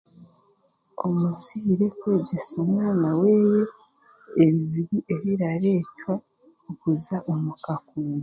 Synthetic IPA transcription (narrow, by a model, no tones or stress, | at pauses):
o̞̰muziːɾe̞kwe̞ːɟe̞somwaːnawe̞ːje̞ː | βiziβiʔe̞βiɾaɾe̞ːcwa | okuzaʔomukakuːnu